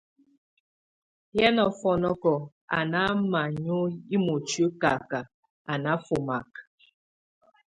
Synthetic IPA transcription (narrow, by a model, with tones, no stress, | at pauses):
jɛ˦nɔ˨fɔ˨nɔ˦kɔ˨ | a̰˨na˦ma˨ɲo˦ji˦mo˨t͡ʃɥu˦ka˨ka˨ | a˨na˦fo˨ma˨k̚